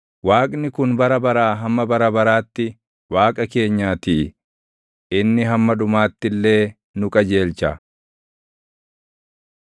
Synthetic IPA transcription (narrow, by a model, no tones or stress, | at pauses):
waːkʼnɪkʊnbɐɾɐbɐɾaːɦɐmːɐbɐɾɐbɐɾaːt̪ːɪ | waːkʼɐke̞ːɲːaːt̪iː | ʔɪnːɪɦɐmːɐᶑʊmaːt̪ːɪlːe̞ː | nʊkʼɐd͡ʒe̞ːlt͡ʃɐ